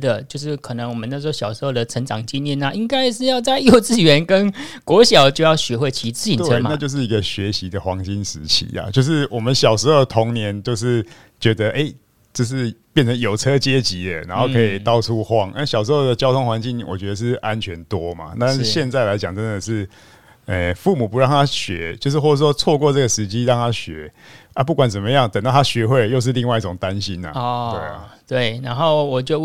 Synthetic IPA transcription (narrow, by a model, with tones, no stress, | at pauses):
d̪ə˨t͡ɕjo˥˧ʊʂ̬ɻ̩˥˩kʰɤ˨˩nə˧˦ŋwɔ˨˩mə˦na˥˧˩wɕjɑ˨˩ʊʂɻ̩˧˥xo˥˩ʊd̪ə˨˩ʈ͡ʂʰə˧˦˥ŋʈ͡ʂɑ˨˩ŋt͡ɕi˥˧njɛ˥˨na˥˧ʔi˦˥ŋka˥ɪʂɻ̩˥˧jɑ˥˧ʊt͡sa˥˧ɪjo˥˨˧ʊt͡sɹ̩˥˩ɥɛ˧˥nkə˦˥nkwɔ˧˥ɕjɑ˨˩ʊt͡ɕjo˥˧ʊjɑ˥˩ʊɕɥɛ˧˥xwe˥˩ɪt͡ɕʰi˧˥t͡sɹ̩˥˧i˨˩t̪e˥ɤ˦ma˨na˥˧t͡ɕjo˥˧ʊʂ̬ɻ̩˥˩i˧˥ɡə˧ɕɥɛ˨˥ɕi˧˥d̪ə˨xwɑ˧˥ŋɕi˦˥nʂɻ̩˧˥t͡ɕʰḭ˧˦a̰˦t͡ɕjo˥˧ʊʂ̬ɻ̩˥˩wɔ˨˩mə˨˦nɕjɑ˨˩ʊʂɻ̩˧˥xo˨˩ʊt̪ʰo˧˦˥ŋnjɛ˧˥nt͡ɕjo˥˧ʊʂɻ̩˥˩ | t͡ɕɥɛ˧˥d̪ə˧ʔe˥˩ɪ | ʈ͡ʂɤ˥˧ʂ̬ɻ̩˥˨pjɛ˥˩nt͡sʰə˧˦ŋjo˨˩ʊt͡sʰɤ˦t͡ɕjɛ˦˥t͡ɕi˧˥d̪ə˨na˧˥nxo˥˧ʊkʰə˧˦˥i˨˩t̪ɑ˥ʊʈ͡ʂʰu˦xwɑ˥˨ŋa˥˩ɕjɑ˨˩ʂ̬ɻ̩˧˥xo˥˩ʊd̪ə˩t͡ɕjɑ˥ʊt̪ʰo˥ŋxwa˧˦nt͡ɕi˥˩ŋwʔɔ̰˨˩t͡ɕɥɛ˧˥d̪ə˨˧ʂ̬ɻ̩˥˩ʔa˦nt͡ɕʰɥɛ˧˦˥nt̪wɔ˦ma̰˨t̪a˥˧nʂ̩˥˧ɕjɛ˥˧nt͡sa˥˩ɪla˧˥ɪt͡ɕjɑ˨˩ŋt͡sə˦nd̪ə˨ʂɻ̩˥˩ | ə˨˩fu˥˩mu˨˩pu˧˦ɻɑ˥˩ŋt̪ʰa˥ɕɥɛ˧˥t͡ɕjo˥˧ʊʂ̬̩˥˧xwɔ˥˩˨ʂwɔ˥t͡sʰwɔ˥˧kwɔ˥˧ʈ͡ʂɤ˥˩ɡə˩ʂɻ̩˧˥t͡ɕi˦˥ɻɑ˥˩ŋt̪ʰa˦˥ɕɥɛ˧˥˦ | a˥˦p̬u˥˩kwa˨˦nt͡sə˨˩mə˦jɑ˥˩ŋt̪ə˨˩ŋt̪ɑ˥˩t̪ʰa˥ɕɥɛ˧˥xwe˥˧ɪjo˥˧ʊʂ̬̩˥˧li˥˧ŋwa˥˧ɪi˥˩ʈ͡ʂʊ˨˩ŋt̪a˦nɕi˦na̰˨twe˥˩ɪ̰˨t̪we˥˩ɪna˧˦nxo˥˩ʊwɔ˨˩t͡ɕo˥˧ʊ